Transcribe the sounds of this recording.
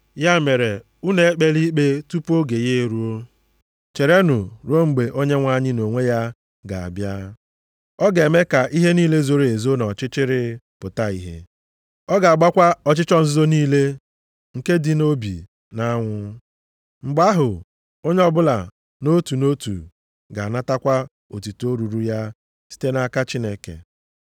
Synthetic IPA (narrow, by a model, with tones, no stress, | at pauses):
ja˦me˨ɾe˨ | u˦ne˨e˦k͡pe˦li˦k͡pe˦tu˦po˦ɡe˨je˦˨ɾu˦o˦ | t͡ʃe˨ɾe˦nʊ˨ɾo˦ŋ͡m̩˨ɡ͡be˨ʔo˦ɲe˦ŋʷa˦ɲɪ˦no˨ŋʷe˦ja˦ | ɡa˨a̰˨bja˦ | ɔ˦ɡe˨me˦ka˨ʔi˦ɦe˦niː˦le˦zo˦ɾe˨zo˦nɔ˨t͡ʃɪ˦t͡ʃɪ˦ɾɪ˦ | pʊ˨ta˦i˦ɦḛ˦ | ɔ˦ɡa˨a˨ɡ͡ba˦kʷa˦ɔ˨t͡ʃɪ˦t͡ʃɔ˦n̩˦zʊ˦zo˦niː˦le˦ | ŋ̩˨ke˦dɪ˦no˦bḭ˨ | na˦ŋʷʊ˦ | ŋ͡m̩˨ɡ͡ba˦ɦʊ˨ | o˦ɲe˦ɔ˦bʊ˦la̰˨ | no˦tu˨no˦tṵ˨ | ɡa˨na˦ta˦kʷa˦ | o˨ti˨to˦ɾu˨ɾu˦ja˦ | si̥˦te˦na˦ka˦t͡ʃi˦ne˦kḛ˨